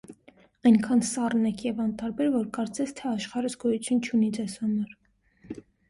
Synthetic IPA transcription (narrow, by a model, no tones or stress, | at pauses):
ɑjŋkʰɑnsɑrnɛkʰjɛvɑnt̪ɑɾbɛɾvɔɾkɑɾt͡sɛt͡sʰt̪ʰɛɑʃχɑɾəzɡɔjut͡sʰjunt͡ʃʰunid͡zɛsɑnɔɾ